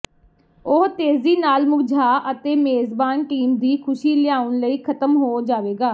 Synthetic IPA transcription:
ʊɦt̪eːziːnaːlmʊɡd͡ʒʱaːʔət̪eːmeːzbaːnʈiːmd̪iːkʰʊʃiːlɪjaːʊnləiːkʰət̪əmɦoːd͡ʒaːʋeːɡaː

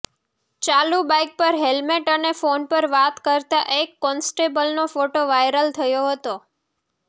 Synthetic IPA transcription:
t͡ʃalubajk̚pəɾɦelmeʈənefonpəɾʋat̪kəɾt̪aʔekːɔnsʈebəlnofoʈoʋajɾəlt̪ʰəjoɦət̪o

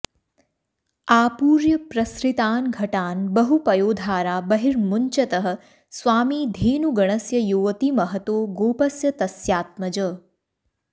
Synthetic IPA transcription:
aːpuːɾjɐpɾɐsɾit̪aːnɡʱɐʈaːnbɐɦupɐjoːd̪ʱaːɾaːbɐɦiɾmuɲt͡ʃɐt̪ɐɦɐ̆ | sʋaːmiːd̪ʱiːnuɡɐɳ̃ɐsjɐjuːʋɐt̪imɐɦɐt̪oːɡoːpɐsjɐt̪ɐsjaːt̪̚mɐd͡ʒəː

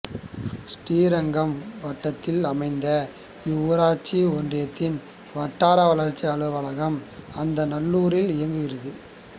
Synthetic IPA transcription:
sʈiːɾɐŋɡɐmʋɐʈːɐt̪ːɪlɐmɐɪnd̪ɐ | jʊʋɾaːt͡ʃːiɔndrɪjɐt̪ːɪn | ʋɐʈːaːɾɐʋɐlɐɾt͡ʃːiɐɭɯʋɐɭɐɣɐmɐnd̪ɐnɐlːuːɾɪlɪjɐŋɡɯɣɪrɐðɯ

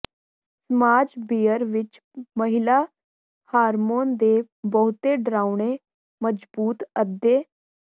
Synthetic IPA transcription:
smad͡zbijəɾʋit͡ɕ | məɦila | haɾmond̪e | bəɦut̪eɖɾawɳe | məd͡zbuːt̪əd̪je

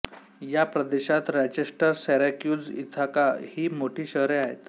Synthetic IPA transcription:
japɾəd̪eɕat̪ɾad͡ʑesʈəɾsɛɾakjud͡zit̪ʰakahiːmoʈʰiːɕəɦɾeaɦḛt̪

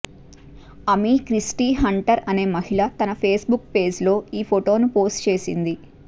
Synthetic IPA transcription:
ɐmikɾisʈiːɦɐɳʈɐɾɐne̞ːmɐɦiɭɐt̪ɐnɐpʰe̞ːsbukpe̞ːd͡ʒlo̞ːiːpʰoʈo̞ːnupo̞ːsʈt͡ʃe̞ːsḭnd̪i

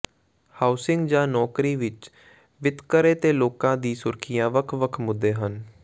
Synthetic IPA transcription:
haːʊsɪ̃ŋɡd͡ʒãːnɔːkɾiːʋɪt͡ʃ | ʋɪt̪kəɾeːt̪eːloːkãːd̪iːsʊɾkʰɪjãːʋəkʰʋəkʰmʊd̪ːeːɦən

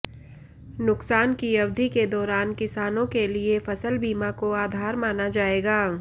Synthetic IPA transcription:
nʊksaːnkiɐʋd̪ʱiked̪ɔːɾaːnkɪsaːnõkeliefɐsəlbiːmakoaːd̪ʱaːɾmaːnad͡ʒaːeːɡaː

